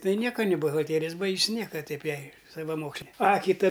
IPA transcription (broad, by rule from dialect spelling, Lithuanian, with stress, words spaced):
ˈtɐɪ ˈnʲiɛkɐ nʲɪ bʊɣɐlʲˈtʲæːrʲɪjɛs ˈbɐɪks ˈnʲiɛkɐ ˈtɐɪp ˈjɛɪ sɐʋɐˈmoːksʲlʲeː ˈɐ kʲɪˈtɐ